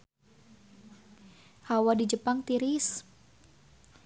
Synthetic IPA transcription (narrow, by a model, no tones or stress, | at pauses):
hawadid͡ʒəpaŋt̪iɾis